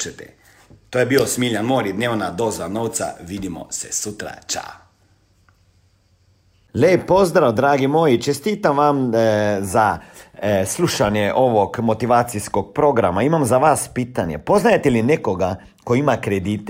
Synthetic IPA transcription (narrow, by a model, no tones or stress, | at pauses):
t͡ʃɛt̪ɛ̰ | t̪oːjɛbiːosmilʲanmoːɾid̪neːwnad̪oːzanoːwt̪sa̰ʋid̪imɔ̰sɛsut̪ɾa̰t͡ʃa̰ | lɛpozd̪ɾawd̪ɾaːɡimoːjit͡ʃɛst̪iːt̪amʋamza | sluːʃanjɛʔoʋɔkmot̪iʋaːt̪siskok̚pɾoːɡɾa̰maimamzaʋaspiːt̪anjɛ̰poznajet̪ɛlinekoɡa | koimakɾɛd̪iːt̪ɛ